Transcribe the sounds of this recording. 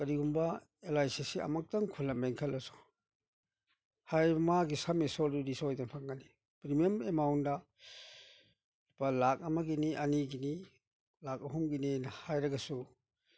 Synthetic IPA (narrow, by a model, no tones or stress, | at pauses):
kɐɾiɡumba | elajsesiɐ̰mak̚taŋkʰulːameŋkʰɐlːɐsu̥ | hajbɐmaɡisamesɔlɾiɾisojdanpʰaŋɡani | pɾimiɐmemawnda | palak̚ɐmaɡiniʔɐniɡini | lak̚ɐɦumɡininahajɾɐɡɐsu